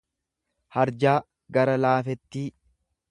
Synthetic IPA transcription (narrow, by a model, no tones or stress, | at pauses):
hɐɾd͡ʒaː | ɡɐɾɐlaːfɛt̪ːiː